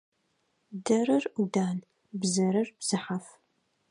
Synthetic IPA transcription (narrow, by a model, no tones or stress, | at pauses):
dɐrɨrudaːn | bzɐɾɨrbz̥ɨħaf